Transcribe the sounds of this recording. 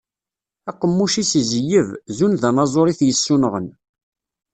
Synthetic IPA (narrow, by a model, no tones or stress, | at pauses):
æqːəmːuʃiszəjːəvzunðænɑzˤoɾiθjəsːunəʁən